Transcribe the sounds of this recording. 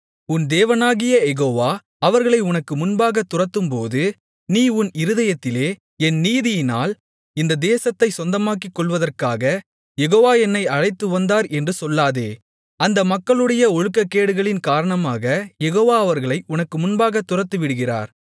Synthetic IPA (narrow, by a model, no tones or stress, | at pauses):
ʊnd̪eːʋɐnaːɣɪjɐjɛɣoːʋaː | ɐʋɐɾɣɐɭɐɪʊnɐkːɯmʊnbaːɣɐt̪ːʊrɐt̪ːɯmpoːðɯ | niːʊnɪɾɯðɐjɐt̪ːɪleː | ɛnniːðɪjɪna̰ːl | ɪnd̪ɐd̪eːsɐt̪ːɐɪsɔnd̪ɐmaːk̬ːikːɔɭʋɐðɐrkaːɣɐ | jɛɣoːʋaːɛnːɐɪɐɻɐɪt̪ːɯʋɐnd̪aːɾɛndrɯsɔlːaːðeː | ɐnd̪ɐmɐkːɐɭɯɽɐjɐɔɻɯkːɐkːeːɽɯɣɐɭɪnkaːɾɐɳɐmaːɣɐjɛɣoːʋaːɐʋɐɾɣɐɭɐɪʔʊnɐkːɯmʊnbaːɣɐt̪ːʊrɐt̪ːɯʋɪɽɯɣɪra̰ːɾ